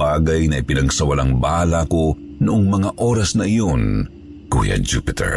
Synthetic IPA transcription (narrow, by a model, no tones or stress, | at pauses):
aːɡɐjnɐʔɪpɪnɐɡsɐwɐlaŋbaːlɐko̞ | nʊʔoŋmɐŋaʔoːɾɐsnɐʔɪjo̞n | kṵːjɐ̰d͡ʒupɪt̪ʰɛ̰ɹ